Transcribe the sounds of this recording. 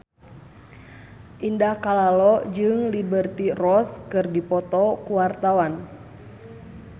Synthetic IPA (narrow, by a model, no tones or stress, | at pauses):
ʔindahkalalɔd͡ʒɨŋlibərt̪irɔskɨrdipɔt̪ɔkuwart̪awan